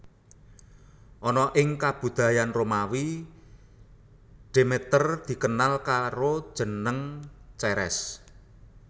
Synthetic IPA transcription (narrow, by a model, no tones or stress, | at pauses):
ʔɔnɔʔɪŋkab̥ṳd̪̥a̤janromawi | ɖ̥e̤met̪ərd̪̥i̤kənalkaɾod̥ʒ̥ə̤nəŋt͡ʃɛɾɛ̰s